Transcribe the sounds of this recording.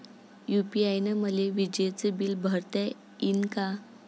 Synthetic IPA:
jupiajnəməleʋid͡ʑet͡səbilbʱəɾt̪ɛ | inka

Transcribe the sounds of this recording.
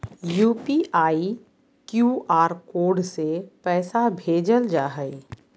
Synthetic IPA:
juːpiʔaːi | kjuːʔaːɾkoːɖsepɛːsabʱeːd͡ʒəld͡ʒaːɦəi

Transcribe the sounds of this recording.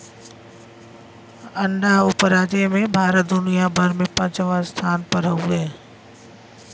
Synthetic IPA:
ənɖaɦʊpɾaːd͡ʒemẽbʱaːɾət̪̚d̪ʊnijabʱəɾmẽpə̃ːt͡ʃəʋast̪ʰaːnpəɾɦəuɛː

